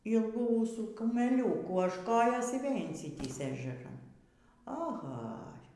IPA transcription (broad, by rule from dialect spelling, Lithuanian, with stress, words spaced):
ˈiːlˠɡuː ˈuːsuː kʊmʲɛˈlʲuːkuː ɐʃ ˈkoːjoːs ɪr ʋʲeːlʲ ɪnʲˈsʲɪtʲiːsʲeː ɛʒʲɛˈrɐn ɐˈɣɐ